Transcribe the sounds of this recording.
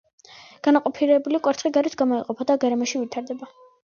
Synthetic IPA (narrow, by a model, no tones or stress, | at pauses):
ɡ̥anaqʼɔpʰiɾɛbulikʼwɛɾt̪ʰχiɡaɾit̪ʰɡamɔiqʼɔpʰad̪aɡaɾɛmaʃivit̪ʰaɾd̪ɛba